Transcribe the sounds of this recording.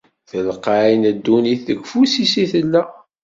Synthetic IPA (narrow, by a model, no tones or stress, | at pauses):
θəlqainəd̪ːuniθə̰ɡfusisiθəlːæ